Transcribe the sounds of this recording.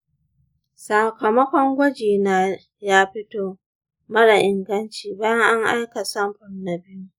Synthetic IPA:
sa˨kɐ˨mɐ˦kʷɔ˦ŋɡʷɔ˦d͡ʒiː˨naː˨ | jaː˦ɸɪ˦toː˨ | mɐ˦la˨ʔɪ˨ŋɡɐ˦nt͡ʃiː˨baː˦jɐ˦ŋʔa˦ŋʔa̰˦jka˨sɐ˦mɸʊ˨nna˨bɪ˦ju˦

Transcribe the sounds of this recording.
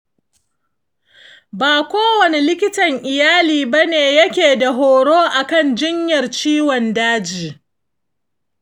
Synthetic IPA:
baː˨kʷoː˦wɐ˨ne˦lɪ˦kʲɪ˦tɐ˨ŋʔɪ˨jaː˦liː˨ba˦neː˨jɐ˦kʲeː˨da˨ɦoː˨ɽoː˦ʔa˨kɐ˦˨nd͡ʒɪ˦ɲjɐ˨rt͡ʃiː˦wɔ˨ndaː˦d͡ʒiː˨

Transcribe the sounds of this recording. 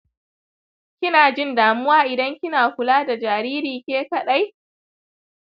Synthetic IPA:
kʲɪ˦naː˨d͡ʒɪ˦˨ndaː˨mʊ˦waː˦ʔɪ˨dɐ˦ŋkʲɪ˦naː˨kʷʊ˨laː˦da˨d͡ʒaː˨ɾiː˦ɾiː˨kʲeː˦kɐ˨ɗa˦j

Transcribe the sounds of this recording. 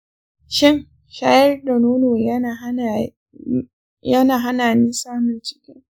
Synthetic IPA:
ʃɪ˦˨ŋ | ʃaː˦jɐ˦rda˨noː˦noː˨j | jɐ˦naː˨ɦa˦naː˨niː˦saː˦mɪ˨nt͡ʃɪ̥˦kʲɪ˦

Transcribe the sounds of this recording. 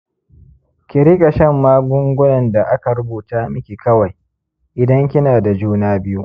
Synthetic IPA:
kʲɪ˨ɾi˦kʼa˨ʃɐ˦˨mːaː˦ɡʊ˦ŋɡʷʊ˦nɐ˨nda˨ʔa˦ka˨ɾʊ˦buː˨taː˦mɪ˦kʲi˨kɐ˦wa˨j | ʔɪ˨dɐ˦ŋkʲɪ˦naː˨da˨d͡ʒuː˦naː˦bɪ˦ju˦ʔ

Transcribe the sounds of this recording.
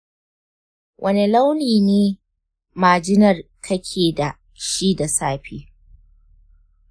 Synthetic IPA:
wʔɐ˦ne˨la˦wliː˨neː˦ | maː˨d͡ʒɪ˦nɐ˨rkʰɐ˦kʲʰeː˨da˨ | ʃi˦da˨saː˦ɸḭː˦

